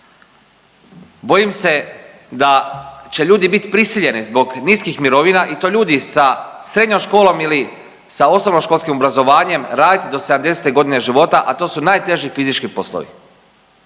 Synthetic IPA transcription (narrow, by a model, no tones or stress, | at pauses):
bo̞jimse̞ | d̪at͡ɕe̞ʎuːd̪ibit̪i̥pɾisiʎe̞nizbo̞ɡniskixmiɾo̞ʋinaʔit̪o̞ʎuːd̪isasɾe̞d̪ɲomʃko̞ːlˠo̞mili | sao̞snoʋnomʃkolskimobɾazo̞ʋaːɲe̞mɾaːd̪it̪id̪o̞sed̪amd̪e̞set̪eɡo̞d̪ine̞ʒiʋo̞t̪aʔat̪o̞ːsunaːjt̪e̞ʒifizit͡ʃkipo̞slˠo̰ʋḭ